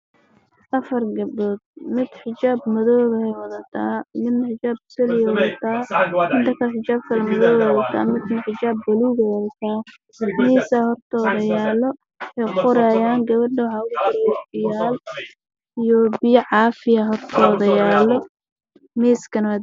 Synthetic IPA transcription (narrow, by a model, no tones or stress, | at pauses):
ʔɐfɐrɡɐbɔːd̪̚mɪd̪̥ħɪt͡ʃaːbmɐðɔːðɐɛjwɐðɐt̪ʰa̰ːmɪd̪nɐħɪt͡ʃaːb̚sɐlɪjɛwɐðɐt̪ʰaːmɪd̪ɐkʰɐħɪt͡ʃaːb̚kʰɐlɐmɐðɔːðɛwðɐt̪ʰa̰ːmɪd̪ħɪt͡ʃaːbːɐliːðɐwɐðɐt̪ʰaː | miːsɐhɔrt̪ʰɔːðɐjaːlɔ | ɛjqʊɾɛjaːŋɡɐβɐɖɐwɑħɑːʊɣʊdɪɾjɛbɪjaːl | ijɔbɪjɐʕɑːfɪɐɦɔrt̪ʰɔːðɐjaːlɔ | miːskʰɐnɐwa